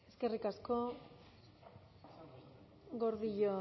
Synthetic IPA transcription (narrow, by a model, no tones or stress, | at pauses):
e̞ske̞rikasko̞ | ɣo̞ɾðiʎo